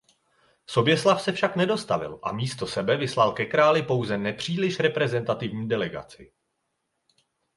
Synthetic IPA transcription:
so̞bjɛslafsɛfʃaknɛdo̞st̪avɪ̰lʔa̰miːst̪o̞sɛbɛvɪslalkɛkɾaːlɪpo̞wzɛnɛpr̝̥iːlɪʃɾɛpɾɛzɛnt̪at̪ɪvɲiːdɛlɛɡa̰t͡sɪ

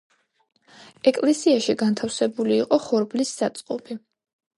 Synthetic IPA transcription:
ɛkʼlɛsiaʃiɡant̪ʰafsɛbuliːqʼɔχɔɾblisːat̪sʼqʼɔbi

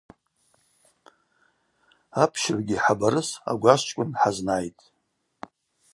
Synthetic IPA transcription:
apʰʃɪrɡʲiħabaɾɨsa̰ɡʷaʃt͡ʃʼkʷʼʊnħaznajtʼ

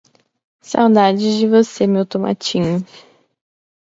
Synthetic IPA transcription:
sa̰wd̪ad͡ʒɪzd͡ʒɪvosemewt̪oma̰t͡ʃĩɲʊ

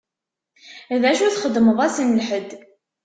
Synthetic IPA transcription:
ðæʃuθχəd̪ːməðˤæsənlħəd̪

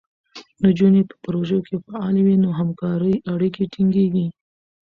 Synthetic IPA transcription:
nod͡ʒunepə̥pɾoʒəokʰefaɑlewinoɦamkɑɾəjʔaɽikeʈiŋɡeɡi

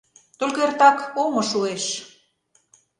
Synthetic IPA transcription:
t̪olʲkert̪ɑkomŏʃueʃ

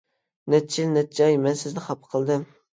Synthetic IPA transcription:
nɛt̪̚t͡ʃʰilnɛt̪̚d͡ʒɑjmɛnsɪznɪχɑpʰə̥qʰəlˠd̪ɨm

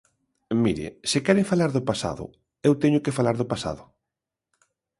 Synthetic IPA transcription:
miɾɪ̰sɪkɛɾeŋfalaɾðʊpasa̰ðʊ̰ | ewt̪ɛɲʊkɪfalaɾðʊpasa̰ðʊ

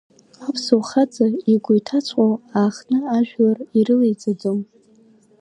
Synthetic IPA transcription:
apʰsowχad͡zaiɡʷʊjtʰat͡sʷʼqʼowaːχnɨaʒᶣlariɾɨlejt͡sʼad͡zom

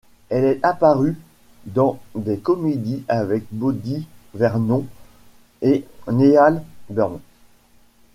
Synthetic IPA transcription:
ɛlɛt̪apaʁy | d̪ɑ̃d̪ekɔmed̪iavɛk̚bod̪ivɛʁnɔ̃ | enealbɛʁnɔ̃

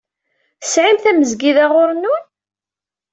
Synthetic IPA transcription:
sʕilθæməzɡiðaʁʊɾənːʊn

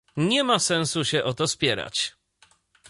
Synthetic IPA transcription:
ɲɛmasɛnsuɕɛʔɔt̪ɔspʲjɛɾa̰t͡ɕ

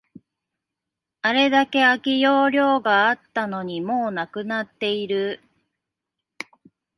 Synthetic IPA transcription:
aɾe̞d̪ake̞akʲijo̞ːɾʲo̞ːɡaat̪ːano̞ɲ̟imo̞ːnakɯ̟nat̪ːe̞iɾɯ̟

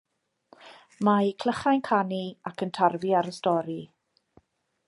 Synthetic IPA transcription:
majkʰl̥əχajnkʰaniakʰəntʰarviaɾəstɔɾi

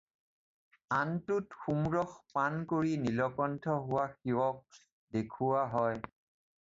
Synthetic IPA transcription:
antʊtxumɹɔxpankoɹinilɔkɔntʰɔɦʊwaxiwɔk̚ | dekʰʊwaɦɔj

